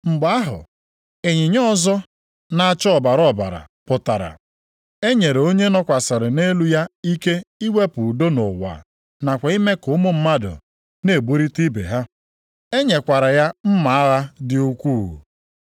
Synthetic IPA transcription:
m̩˨ɡ͡ba˨˦a˦ɦʊ̰˨ | e˨ɲi˨ɲɔ˦ɔ˦˨zɔ˦ | na˨a˨t͡ʃɔ˦ɔ˨ba˨ɾɔ˦˨ba̰˨ɾa̰˨ | pʊ˨ta˨ɾa̰˨ | e˦ɲe˨ɾe˨o˦ɲe˦nɔ˦kʷa˨sa˨ɾɪ˨ne˦lu˦ja˦i˦ke˦i˦we˦pʊ˨do˦no˨wa̰˨ | na˨kʷa˨˦i˦me˦kʊ˦mʊ˦m̩˦ma˦dʊ̰˨ | ne˨bu˦ɾi˦ti˦bḛ˨ɦa˦ | e˦ɲe˨kʷa˨ɾa˨ja˦m̩˦ma˨a˦ɣa˦dɪ˦u˦kʷu˦˨ɦṵ˨

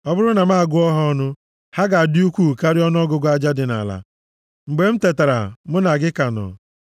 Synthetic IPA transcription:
ɔ˦bʊ˦ɾʊ˦na˨ma˦a˨ɡʊ˦ɔ˦ɦɔ˦ɔ˦nʊ˦ | ha˦ɡa˨a˨di˦u˦kʷu˦˨ka˦ɾɪ˦ɔ˦nʊ˦ɔ˦ɡʊ˦ɡʊ˦a˦d͡ʒa˦dɪ˨na̰˨la̰˨ | m̩˨ɡ͡be˨m̩˦te˨ta˨ɾa̰˨mʊ˦na˨ɡɪ˦ka˨nɔ̰˨

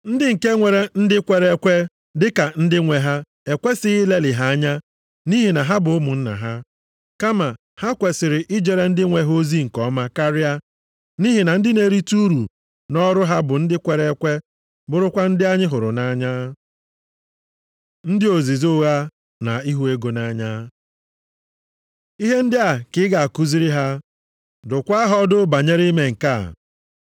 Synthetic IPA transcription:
n̩˦dɪ˦ŋ̩˨ke˦ŋʷe˨ɾe˨n̩˦dɪ˦kʷe˨ɾe˦kʷe˦ | dɪ˦ka˨n̩˦dɪ˦ŋʷe˨ɦa˦ | e˨kʷe˦sɪ˦ɣi˦le˦lɪ˨ɦa˦a˦ɲa˦ | ni˦ɦi˨na˨ɦa˦bʊ˨ʊ˦mʊ˨n̩˦na̰˨ɦa˦ | ka˦ma˨ | ha˦kʷe˨sɪ˨ɾɪ˨ʔɪ˦d͡ʒe˨ɾe˦n̩˦dɪ˦ŋʷe˨ɦo˦zi˦ŋ̩˨kɔ˦ma˦ka˦ɾɪ˦a˦ | ni˦ɦi˨na˨n̩˦dɪ˦ne˨ɾi˦tu˦ɾṵ˨ | nɔ˦ɾʊ˦ɦa˦bʊ˨n̩˦dɪ˦kʷe˨ɾe˦kʷe˦ | bʊ˦ɾʊ˦kʷa˦n̩˦dɪ˦a˦ɲɪ˦ɦʊ˨ɾʊ̰˨na˦ɲa˦ | n̩˦dɪ˦o˨zi˨zo˦ɣa˦ | na˨i˦ɦu˦e˦ɡo˨na˨ɲa˦ | i˦ɦe˦n̩˦dɪ˦a˨kɪ˦ɡa˨a˨ku˦zi˦ɾi˦ɦa˦ | dʊ˨kʷa˦ɦɔ˦dʊ˦ba˨ɲe˦ɾi˦me˨ŋ̩˨ka̰˦˨

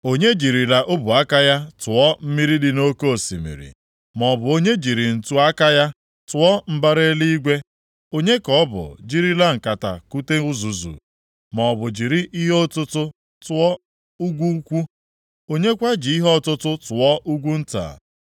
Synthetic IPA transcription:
o˦ɲe˦d͡ʒi˨ɾi˨la˨ʔo˦bu˨a˦ka˦ja˦tʊ˨ɔ˦m̩˦mi˦ɾi˦dɪ˨no˦ko˦˨sḭ˨mḭ˨ɾḭ˨ | mɔ˨bʊ˨o˦ɲe˦d͡ʒi˨ɾi˨n̩˨tu˦a˦ka˦ja˦ | tʊ˨˦ɔ˦m̩˦ba˦ɾe˦li˦i˦ɡʷe˦ | o˦ɲe˦kɔ˨˦bʊ̰˨d͡ʒi˦ɾi˦la˦ŋ̩˨ka˨ta̰˨ku˦te˦ʊ˦zu˨zṵ˨ | mɔ˨bʊ˨d͡ʒi˨ɾi˦ʔi˦ɦo˦tʊ˦tʊ˦ | tʊ˦ɔ˦ | u˦ɡʷu˦kʷu˦ | o˦ɲe˦kʷa˦d͡ʒɪ˨i˦ɦɔ˦˨tʊ˦tʊ˦tʊ˨ɔ˦ʔu˦ɡʷu˦n̩˦ta̰˨

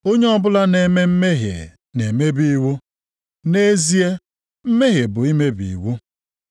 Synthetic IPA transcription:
o˦ɲe˦ɔ˦bʊ˦la˦ne˨me˦m̩˦me˦ɦjḛ˨ | ne˨me˦bi˨˦wu˦ | ne˦zi˦e˦ | m̩˦me˦ɦje˨bʊ˨i˦me˦bḭ˨wu˦

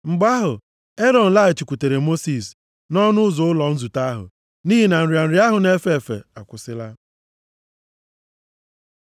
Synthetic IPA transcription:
ŋ͡m̩˨ɡ͡ba˦ɦʊ˨ | e˦ɾɔ˨n̩˨la˦˨i˨t͡ʃi˨kʷu˨te˨ɾe˨mo˦si˨s | nɔ˦nʊ˦ʊ˦zʊ˨ʊ˦lɔ˨n̩˦zu˨ta˦ɦʊ̰˨ | niː˦ɦi˨na˨n̩˨ɾja˨n̩˨ɾi˦a˦ɦʊ˨ne˦fe˦˨fḛ˨a˨kʷʊ˨sɪ˦la˦

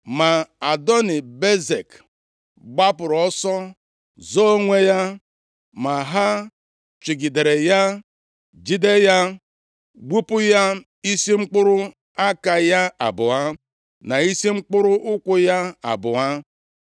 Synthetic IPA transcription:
ma˨a˨dɔ˦nɪ˨be˦ze˨k | ɡ͡ba˦pʊ˨ɾɔ˦sɔ˦ | zo˦o˦ŋʷe˦ja˦ | ma˨ɦa˦ | t͡ʃi˨ɡi˨de˨ɾe˨ja˦ | d͡ʒi˦de˦ja˦ | ɡ͡bu˦pʊ˦ja˦ | i˦si˦ŋ͡m̩˦k͡pʊ˦ɾʊ˦ | a˦ka˨ja˦a˨bʊ˨a˦ | na˨i˦si˦ŋ͡m̩˦k͡pʊ˦ɾʊ˦ʔʊ˦kʷʊ˦ja˦a̰˨bʊ˨a˦

